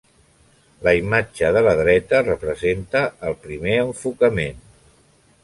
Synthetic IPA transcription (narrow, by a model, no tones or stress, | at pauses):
ləimad͡ʒəðələðɾɛt̪ərəpɾəzent̪əːlˠpɾimeəɱfukəmen